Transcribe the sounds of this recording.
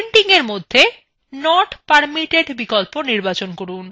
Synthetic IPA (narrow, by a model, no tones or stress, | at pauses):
ɳʈiŋeɾmod̪ʱːe | nɔʈpaɾmiʈeɖbikolponiɾbat͡ɕonkoɾun